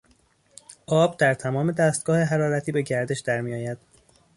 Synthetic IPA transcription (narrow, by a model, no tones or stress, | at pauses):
ʔɒːb̚d̪æɾt̪ʰæmɒːme̞d̪æst̪̚ɡ̥ɒːheɦæɾɒːɾæt̪ʰiːbe̞ɟæɾd̪e̞ʃd̪æɾmiːjɒːjæd̪̥